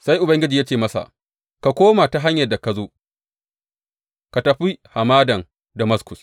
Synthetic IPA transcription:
sa˦jʔʊ˨bɐ˦ŋɡʲɪ˦d͡ʒi˨ja˦t͡ʃeː˨mɐ˦sa̰˨ | ka˨kʷoː˦ma˨ta˨ɦa˦ɲjɐ˨da˨ka˨zoː˦ | ka˨tɐ˨ɸi˦ha˨maː˦dɐ˨ŋ | da˨mɐ˦skʷʊ˨s

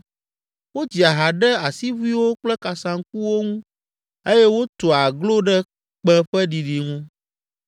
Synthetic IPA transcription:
wo˦d͡ʑi˨a˨ɦa˨ɖɛ˦a˨si˦vu˦i˦wo˦k͡plɛ˦ka˨sã˨ŋ˦k̚u˦wo˦ŋũ˦ | e˦jɛ˦wo˦t̪o˨a˨ɡlo˦ɖɛ˦ | k͡pɛ̃˦ɸɛ˦ɖi˨ɖi˨ŋũ˦

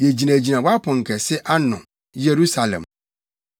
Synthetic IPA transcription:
je˨d͡ʑi˨nã˨d͡ʑi˨nã˨wa˦pʰʊ̃˨ŋ̩˨kʰɛ˨sɪ˦ʔa˦nʊ̃˨ | je˨ɾu˦sa˨lɛ̰̃˨m

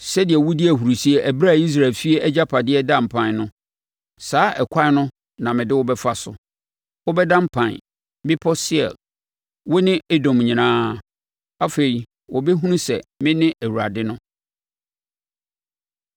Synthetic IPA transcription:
sɛ˦dɪ˨ɛ˨wʊ˦dɪ˦æ˨ɦu˨ɾu˨si˦e˨ʔæ˨bɾa˦˨i˦s̬ɾa˨lfi˦e˦ɛ˦d͡ʑa˦pʰa˨dɪ˦ɛ˦dã˦˨m˨pʰã˨nnʊ̃˦ | saː˦ʔɛ˨kʷʰa˦nʊ̃˦ | nã˨mɪ̃˨dɪ˦wʊ˦bɛ˦fa˦sʊ̰˨ | wʊ˦bɛ˦dã˦m˦pʰã˨n | bɪ̃˦pʰɔ˦sɪ˦ɛ̰˨l | wʊ˦nɪ̃˦ɛ˦dɔ̃˨mɲĩ˨nãː˦ | a˦fe˨ɾi˨ | wʔɔ˨bɛ˦ɦũ˦nũ˦sɛ̰˨mɪ̃˦nɪ̃˦ʔæ˨wu˨ɾa̰˨dɪ˦nʊ̃˦

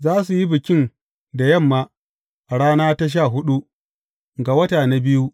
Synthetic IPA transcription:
zaː˦s̬u˨ji˦bɪ˨kʲɪ˦n | da˨jɐ˦˨mːaː˦ | ʔa˨ɽaː˦naː˦ta˦ʃ̬aː˦˨ɦʊ˦ɗu˦ | ɡa˨wɐ˦taː˨na˦bɪ˦ju˦

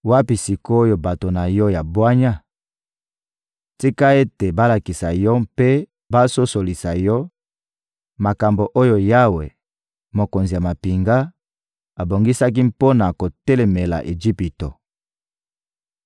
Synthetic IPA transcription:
wa˦pi˨si˨ko˦o˦jo˨ba˨to˨na˨jɔ˦ja˨bwa˦ɲa˦ | ti˦ka˦e˦te˨ba˦la˨ki˨sa˨jɔ˦mpe˦ | ba˦so˦so˨li˨sa˨jɔ˦ | ma˨ka˨mbo˨ʔo˦jo˨ja˦wḛ˨ | mo˨ko˨nzi˨ja˨ma˨pi˨ŋɡa˦ | a˨bo˨ŋɡi˦sa˦k̬i˦mpo˦na˨ko˨tɛ˦le˨me˨la̰˨ʔe˨d͡ʒi˦pi˨to˨

